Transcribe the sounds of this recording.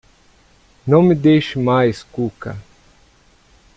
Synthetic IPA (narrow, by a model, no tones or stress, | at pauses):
nɐ̃w̃mid̪ejʃɪmajskukɐ